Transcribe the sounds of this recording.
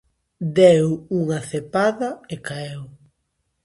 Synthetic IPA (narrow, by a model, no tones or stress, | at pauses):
d̪ewuŋɐθepaðɐekaew